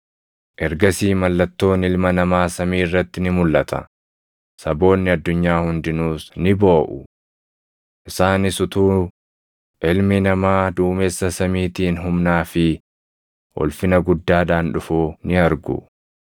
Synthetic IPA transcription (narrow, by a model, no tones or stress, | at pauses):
ʔɛɾɡɐsiːmɐlːɐt̪ːo̞ːnɪlmɐnɐmaːsɐmiːɪrːɐt̪ːɪnɪmʊlːɐt̪ʰɐ̰ | sɐbo̞ːnːɪɐd̪ːʊɲːaːhʊnd̪ɪnuːsnɪbo̞ːʔʊ | ʔɪsaːnɪsʊt̪uː | ʔɪlmɪnɐmaːd̪uːmeːsːɐsɐmiːt̪iːnɦʊmnaːfɪ | ʔɔ̰lfɪnɐɡʊd̪ːaːᶑaːnᶑʊfuːnɪɐɾɡʊ̰